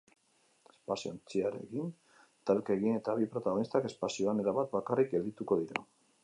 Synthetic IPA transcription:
e̥spasiont͡siaɾe̞̰kin | t̪alkaeɣine̞t̪aβipɾo̞t̪aɣo̞nist̪ake̞spasio̞ane̞ɾaβat̪bakarik̚ɡe̞ld̪it̪uko̞ðiɾa̰

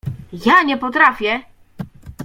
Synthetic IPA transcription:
jaɲɛpɔt̪ɾafʲjɛ

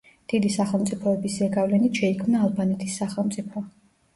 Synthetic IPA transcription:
d̪̥id̪isaχɛlˠmt̪sʼipʰɔɛbisɾɛɡavlɛnit̪ʃɛikʰmnaːlˠbanɛt̪ʰisːaχɛlˠmt̪sʼipʰɔ

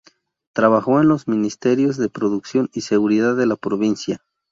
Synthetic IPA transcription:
t̪ɾaβaxo̞enlo̞zmĩnist̪e̞ɾjo̞zðe̞pɾo̞ðuksjo̞nise̞ɣuɾiðaðːe̞lapɾoβinsja

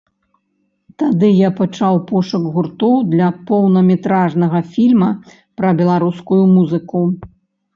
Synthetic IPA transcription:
t̪ad̪ɨjapat͡ʂawpɔʂɐɡɣurt̪ɔwd̪lʲɐpɔwnɐmʲɛt̪ɾaʐnɐɣɐfʲilʲmɐ | pɾɐbʲɛlˠaɾuskujumuzɨku

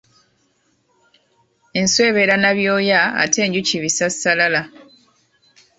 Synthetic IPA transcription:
enswe̞ːβe̞ɾanaβjo̞ːjaa̰tʰe̞ːɲɟuciβisasalala

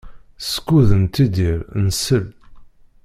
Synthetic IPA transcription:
sə̥kːuðənt̪id̪iɾnəsəl

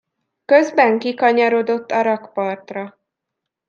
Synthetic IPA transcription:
køzbɛŋkikɒɲɒɾo̞d̪o̞t̪ːɒɾɒkpɒrt̪rɒ

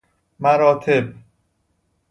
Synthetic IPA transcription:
mæɾɒːt̪ʰeb̚

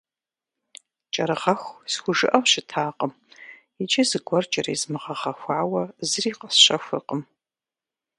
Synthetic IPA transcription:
t͡ʃʼɐɾɨʁɐxʷsxʷʊʒɨʔɐwʃɪtʰaːqəm | it͡ʃʼɐzɨɡʷɔrt͡ʃʼɐɾḭzmɨʁɐʁɐxʷaːwɐzɨriːqəsɕɐxʷɨ̰qʼəm

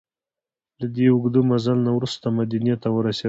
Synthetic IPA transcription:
lad̪eʊɡd̪umazalnawɾust̪amad̪anijat̪awəɾase

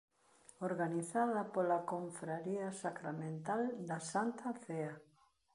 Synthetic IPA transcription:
oɾɣaniθaðɐpolakoɱfɾaɾiasakɾamẽnt̪ald̪asant̪aθea

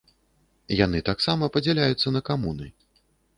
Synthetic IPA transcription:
jan̪ɨt̪aksamɐpɐd͡zʲɛlʲajut̪sːɐnɐkamunɨ̰

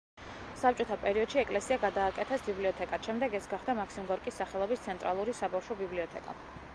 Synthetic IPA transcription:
sap̚t͡ʃʼɔt̪ʰapʼɛɾiɔd̪̥ʃiɛkʼlɛsiaɡad̪aːkʼɛt̪ʰɛsbibliɔt̪ʰɛkʼat̪ʃɛmd̪ɛɡɛsɡaχd̪amakʰsimɡɔɾkʼisːaχɛlˠɔbist̪sʰɛnt̪ʼɾalˠuɾisabafʃɔbibliɔt̪ʰɛkʼa̰

